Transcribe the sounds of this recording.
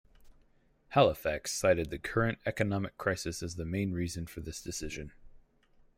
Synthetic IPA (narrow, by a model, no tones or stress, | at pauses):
hælˠəfæksaɪɾɨd̪̚ðɨkʰɜ˞ɨ̃ntɛkɨnɑmɨkʰɹ̥aɪsɨsɨzðɨmẽɪ̃nɹizɨ̃nfə˞ðɪsd̥ɨsɪʒɨ̃n